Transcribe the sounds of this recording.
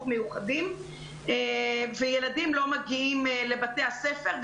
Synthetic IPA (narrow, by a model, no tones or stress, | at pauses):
dmejuχadim | evejeladimlo̞maɡiimle̞batejasefeʁ